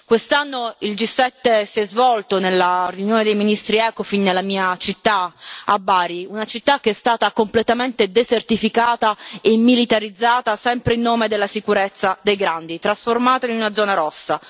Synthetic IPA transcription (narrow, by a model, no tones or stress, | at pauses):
kwest̪anːoild͡ʒisːɛt̪ːesiɛzvɔlt̪onelːarjunjoːned̪ejminist̪ɾiɛːkofinːelːamiːat͡ʃit̪ːaabːaːɾiunat͡ʃit̪ːak̟ːeɛst̪aːt̪akomplet̪ament̪ed̪ezert̪ifikaːt̪aemːilit̪aɾid̪zːaːt̪asɛmpɾeilnːoːmed̪elːasikuɾet̪sːad̪ejɡɾand̪it̪ɾasformaːt̪ainunad̪zːɔːnaɾɔsːa